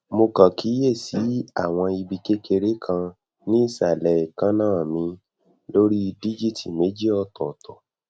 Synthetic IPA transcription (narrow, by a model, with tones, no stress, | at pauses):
mo˧kã˨ki˨˦je˦˨si˨˦a˦˨w̃ɔ̃˧i˧bi˧ke˦ke˧ɾe˦kʰã˧ | nĩ˦i˦˨sa˨lɛ˨i˨kã˧˦nãː˦˨mĩ˧ | lo˦ɾi˦di˦d͡ʒi˦˨ti˨me˨˦d͡ʒi˦ɔ˧tɔ˨tɔ˨